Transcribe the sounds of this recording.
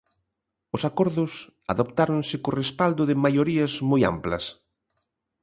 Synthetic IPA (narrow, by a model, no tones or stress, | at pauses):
ʊsakɔɾðʊs | a̰ðopt̪aɾonsɪkorespald̪ʊðɪmajoɾiɐzmoja̰mplɐ̰s